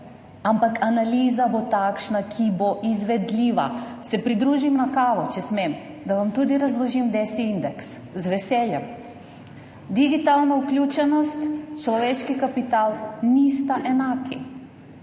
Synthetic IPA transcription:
ampakanaliːzabot̪akʃnakʰiboʔizʋɛd̪lʲiːʋa̰sɛpɾid̪ɾuːʒimnakaːʋɔt͡ʃɛsmem | d̪aʋamt̪ud̪iɾazlˠɔʒimd̪ɛsiind̪ɛks | zʋɛsɛljɛm | d̪iɡit̪alnauklʲut͡ʃɛnɔst̪t͡ʃlɔʋeʃkikapit̪aːlnist̪aʔɛnaːkʰi

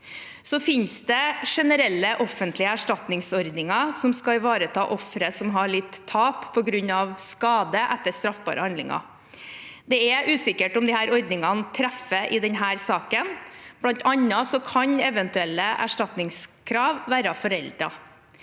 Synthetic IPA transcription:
sɔfɪnsd̪ɛʂɛnəɾɛlːəʔɔfːənt̪lɪəæʂʈɑt̪nɪŋsɔɾd̪nɪŋɑsɔmskɑɪʋɑːɾət̪ʰɑːʔɔfɾəsɔmɦɑɭɪt̪ʰːɑːppʰɔɡɾʉɲːɑʋskɑːd̪əʔɛt̪ːəʂt̪ɾɑfbɑ̰ːɾəhɑnd̪lɪ̰ŋɑ̰ | d̪ɛɛʔʉːsɪkːəʈɔmd̪ɪhæːɾɔɾd̪nɪŋɑnt̪ʰɾæfəʔɪd̪ɛnɦæːɾsɑːkənb̥lɑnt̪ʰɑɲːɑsɔkʰɑɲɛʋənt̪ʉɛlːəʔæ̰ʂʈɑt̪nɪŋskʰɾɑːʋːæːɾɑfɔɾɛld̪ɾɑ̰

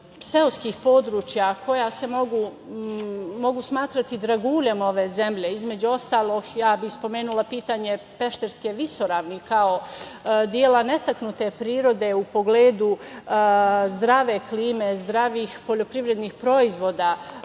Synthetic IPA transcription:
se̞oskixpo̞ːd̪ɾuːt͡ʃjako̞jase̞mo̞ɡu | mo̞ɡusmaːt̪ɾat̪id̪ɾaɡuːʎemo̞ʋe̞zemʎeizme̞d͡ʑuo̞st̪aːlˠo̞ɡjaːbixspo̞me̞ːnulˠapiːt̪aːɲe̞pe̞ʃt̪eɾskeʋiso̞ɾaːʋnikao̞d̪jeːlˠane̞t̪aknut̪epɾiːɾo̞d̪e̞upo̞ɡleːd̪u | zd̪ɾaʋe̞kliːme̞zd̪ɾaʋixpo̞ʎo̞pɾiʋɾe̞d̪niːxpɾo̞izʋo̞d̪aː

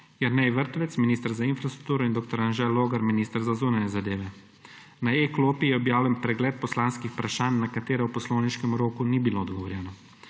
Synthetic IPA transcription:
jaɾnɛjʋəɾt̪ɔʋɛt̪sminiːst̪əɾzainfɾast̪ɾuk̚t̪uːɾɔind̪oːkt̪ɔɾanʒɛloːɡaɾminiːst̪əɾzazuːnanjɛzad̪eːʋɛ | naekloːpijɛɔbjaːwlʲɛnpɾɛɡlɛːt̪̚pɔslaːnskixpɾaʃaːnːakat̪eːɾɛwpɔsloːwniʃkɛmɾoːkunibiloːd̪ɡɔʋɔɾjɛːnɔ

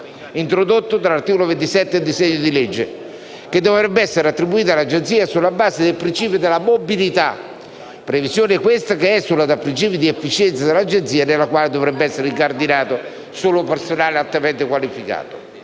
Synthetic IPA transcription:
int̪ɾod̪ot̪ːod̪ɾalart̪iːkolovent̪isɛt̪ːed̪isɛɲːod̪ilɛd͡ʒːe | ked̪ovɾɛbːeɛsːeɾeat̪ːɾibuiːt̪̬alːad͡ʒent̪siːasulːabaːzed̪elpɾint͡ʃiːpjod̪elːamobilit̪a | pːɾevizjoːnɪkwest̪akeɛsːulːad̪apːɾint͡ʃiːpjid̪iɛfːit͡ʃɛnt̪sad̪elːad͡ʒent̪siːanelːakwaːled̪ovɾɛbːeɛsːeɾiŋkard̪inaːt̪o | soːlopersonaːlealt̪ːament̪ekwalifika̰ːt̪o̥

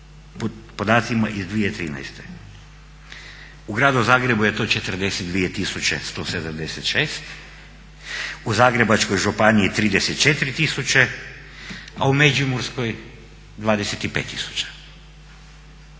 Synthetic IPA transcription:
ppo̞d̪aːt̪simaʔizd̪ʋijet̪ɾḭːna̰jst̪e | uɡɾaːd̪uzaːɡɾe̞bujet̪oːt͡ʃet̪ərd̪e̞set̪̚d̪ʋiet̪isut͡ʃḛst̪osed̪amd̪eset̪ʃeːst̪ | uzaːɡɾe̞bat͡ʃkojʒupaniit̪ɾiːd̪eset̪̚t͡ʃet̪ɾit̪isut͡ʃe | a̰umed͡ʒiumuɾsko̞j | d̪ʋaːd̪eset̪ipeːt̪ːisu̥t͡ʃḁ

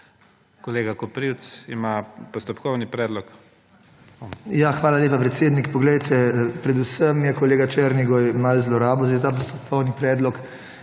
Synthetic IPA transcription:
kɔleːɡakɔpɾiwt̪sḭmapɔst̪ɔpkɔwnipɾɛːd̪lɔk | jaxʋaːlaleːpapɾɛt̪seːd̪nikpɔɡlɛjt̪ʰɛpɾɛd̪usəmjɛkɔleːɡat͡ʃɛːɾniɡɔjmalzlɔɾaːbɔzd̪et̪aːp̬ɔst̪ɔp̚kʰɔwnipɾɛːd̪lɔk

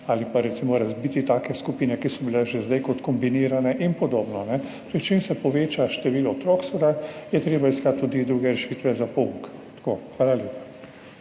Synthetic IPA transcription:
aːlipaɾɛt̪simɔɾazbit̪it̪aːkɛskupiːnɛkisɔbilɛʒɛzd̪ajkɔt̪kɔmbiniːɾanɛʔinpɔd̪oːbnɔnɛt̪oɾit͡ʃemsɛpɔʋeːt͡ʃaʃt̪ɛʋiːlɔt̪ɾoːksɔd̪ajɛt̪ɾeːbaiskat̪̚t̪ːud̪id̪ɾuːɡɛɾɛʃiːt̪ʋɛzapoukt̪koxʋaːlalʲjeːpḁ

